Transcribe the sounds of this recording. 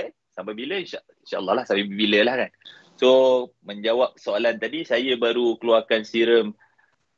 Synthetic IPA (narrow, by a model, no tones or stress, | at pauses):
sampabiləinʃa | inʃaʔlːɔlahsampabiləlahkan | so | mə̃ɲd͡ʒawap̚soalant̪adisajəbaɾukəluarkansiɾəm